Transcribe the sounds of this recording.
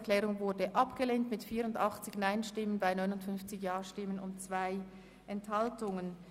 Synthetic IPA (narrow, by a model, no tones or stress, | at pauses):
kl̥ɛːʁʊŋvʊɐdəʔɑpɡ̥əleːntmɪtfiːɐʁʊndɑχt͡sɪçnaɪnʃtɪmənbaɪnɔʏnʊntfʏnft͡sɪçjaːʃtɪmənʊ̰nt͡sv̥aɪ | ʔɛnthɑltʊŋən